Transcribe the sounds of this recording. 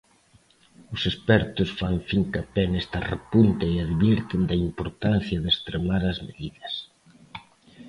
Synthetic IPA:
ʊsespɛɾt̪ʊsfaɱfiŋkapɛnɛst̪ɐrḛpunt̪ɐeaðβiɾt̪ɪnd̪ɐimpoɾt̪anθjɐðest̪ɾemaɾɐzmeðiðɐs

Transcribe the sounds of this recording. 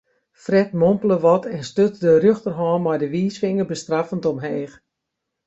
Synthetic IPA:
frɛtmompələʋɔtʰɛnstøtdərøxtərɦɔːnmɔjdəʋiːsʋɪŋərbəstrafəntɔmɦɛːx

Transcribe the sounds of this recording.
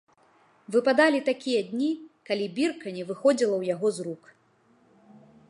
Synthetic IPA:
vɨpad̪alʲit̪akʲijɐd̪ʲnʲikalʲibʲirkɐnʲɛvɨxɔd͡zʲilˠɐwjaɣɔzɾuk

